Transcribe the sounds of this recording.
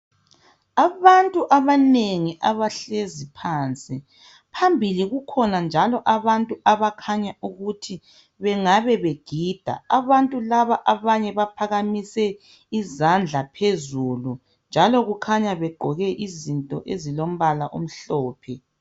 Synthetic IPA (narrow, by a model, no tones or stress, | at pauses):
aβantʼuʔaβaneŋiʔaβaɬezipʰaːnt͡sʼi | pʰambʱiliɣukʰɔnand͡ʒʱalɔʔaβantʼuʔaβakʰaɲauɣutʰi | βɛŋaβɛβeɡ̥ʱiːd̥ʱa̰aβantʼulaβaʔaβaɲɛβapʰaɣamisɛ | izand͡ɮʱapʰezulu | nd͡ʒʱalɔɣukʰaɲaβɛɡ͡ǃʱɔɣɛʔizintʼɔʔezilom̩βalaʔom̩ɬɔːpʰɛ